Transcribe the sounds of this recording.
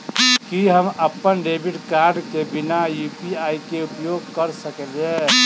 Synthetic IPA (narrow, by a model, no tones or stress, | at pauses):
kiɦəməpːənɖebiʈkaɾɖkebɪnajupiaikeupjoɡ̚kəɾsəkelɛ